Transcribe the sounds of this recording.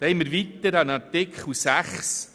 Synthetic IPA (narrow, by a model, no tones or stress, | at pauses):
d̥ɛjmːəɾʋit̪ːəɾɑnɑtɪkχlusæχs